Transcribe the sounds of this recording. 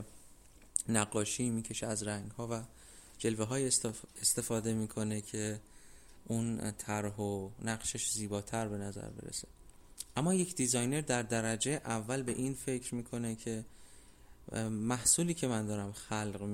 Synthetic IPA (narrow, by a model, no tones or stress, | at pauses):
næɡːɒːʃiːmiːcʰe̞ʃeæzræŋɡhɒːvæ | d͡ʒe̞lveɦɒːjest̪e̞fɒːd̪e̞miːkʰo̞ne̞cʰe̞ | ʔunt̪ʰæɾɦonæɣʃeʃziːbɒːt̪ʰæɾbe̞næzæ̰ɾbḛɾḛse̥ʔæmːɒːje̞cʰd̪izɒjne̞ɾd̪æɾd̪æɾæd͡ʒejeʔævːælbe̞ʔiːnfe̞cʰɾmiːkʰo̞ne̞cʰe̞ | mæhsuːliːcʰe̞mænd̪ɒːɾæmxælɢm